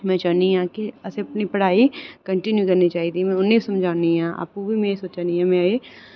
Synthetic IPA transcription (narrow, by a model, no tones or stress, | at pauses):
mɛ̃ːt͡ʃaːniɦãːkiɐseɐpnipəɽ̤aːiːkəɳʈɪnjukɐɾnit͡ʃaːiːd̪imɛ̃ːʊnːẽsəmd͡ʒʱaːniɦãːʔa̰ːp̚kobʱiːmɛ̃ːsoːt͡ʃaːniɦãːmɛ̃eː